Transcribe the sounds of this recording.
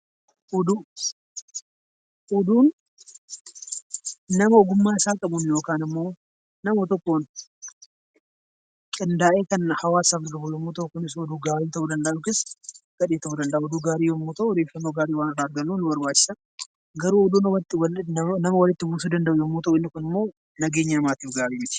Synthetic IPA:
ʔɔd̪uː | ʔɔd̪uːn | ɐmɐɔɡʊmːaːɪsaːkʼɐbʊnjoːkaːnɪmːo̞ː | nɐmɔt̪ɔkːoːn | kʼɪnd̪aːʔeːkɐnhɐwaːsaːɡɾɡɐbʊjɔmːuːt̪ɐʔʊkʊnɪsɔd̪uːɡaːɾiːt̪ɐud̪ɐnd̪ɐʔʊkɪsɡ̥ɐᶑeːt̪ɐud̪ɐnd̪ɐʔɔd̪uːɡaːɾiːjɔmːuːt̪ɐʔʊɔd̪eːfːɐnːoːɡaːɾiːwaːnɐrːaːɐɾɡɐnːuːnʊbɐɾbaːt͡ʃːɪ̥sɐ | ɡɐɾuːɔd̪uːnɐwɐt̪ːɪwɐnɐmɐwɐlɪt̪ːɪbuːsuːd̪ɐnd̪ɐʔʊjɔmːuːt̪ɐʔʊɪnːɪkʊnɪmːo̞ː | nɐɡeːɲːɐmaːt̪iːfɡaːɾiːmɪt̪ɪ̥

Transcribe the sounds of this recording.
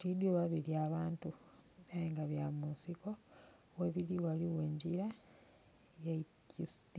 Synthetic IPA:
tidjoβaβiliaβaːntu | eŋɡaβjamuːnsiko̞ | we̞βiɾiwaliwe̞ːɲɟiɾa | jaicist

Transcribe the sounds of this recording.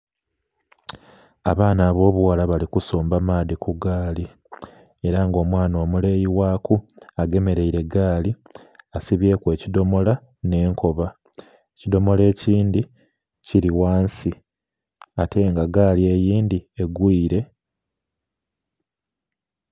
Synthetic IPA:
aβaːnaːβo̞ːβuwalaβalikuso̞ːmbamaːdikuɡaːli | e̞ɾaŋɡo̞ːmwaːno̞ːmule̞ːjiwaːkuaɡe̞me̞ɾe̞iɾe̞ɡaːli | asiβje̞ːkwe̞ːcido̞mo̞la | ne̞ːŋko̞βa | ecido̞mo̞le̞ːciːndi | ciɾiwaːnsi | atʰe̞ːŋɡaɡaːlie̞jiːndie̞ɡwiːɾe̞

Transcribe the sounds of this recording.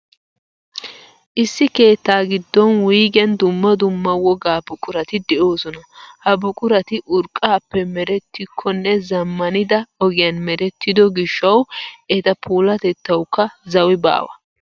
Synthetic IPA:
ʔɪsːɪke̞ːt̪ːaːɡɪd̪ːɔnwiːɡɪɐnd̪ʊmːɐd̪ʊmːɐwɔɡaːbʊkʼʊɾɐt̪ɪd̪ɛʔo̞ːsɔnɐhɐbʊkʼʊɾɐt̪ɪʔʊɾkʼaːpːɛmɛɾɛt̪ːɪkʰːɔnːɛzɐmːɐnɪd̪ɐɔɡɪjɐnmɛɾɛt̪ːɪd̪ɔɡɪʃːɐwʔɛt̪ɐpʰuːlɐt̪ɛt̪ːɐwkːɐzɐwɪba̰ːwɐ̰

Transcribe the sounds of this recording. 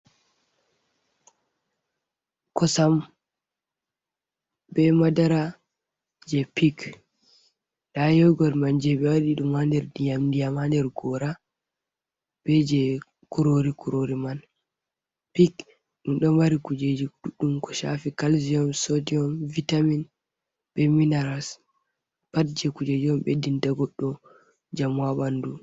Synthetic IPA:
kɔsam | bɛmadaɾa | d͡ʒɛpik | ɗajɔɡɔɾmand͡ʒɛɓɛwaɗiɗumːandɛɾdijamdijamandɛɾɡɔɾa | b̥ɛd͡ʒɛ | kuɾoɾikuɾoɾiman | pik | ɗumɗɔmaɾikud͡ʒed͡ʒiɗuɗːumkɔ̥ʃa̰fikalziɔmsodiɔmvitamin | ɓɛminaɾas | patd͡ʒɛkud͡ʒed͡ʒiɔmɓedindaɡɔɗːɔ | d͡ʒamwaɓandu

